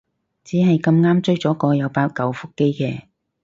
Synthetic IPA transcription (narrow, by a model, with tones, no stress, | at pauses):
t͡siː˨˥ɦɐ˨jkɐ˧mŋaː˥mt͡sɵ˥ɥt͡sɔː˨˥kɔː˧jɐ˨˧wpaː˧t̚kɐ˨˧wfʊ˥kːe˥jkɛː˧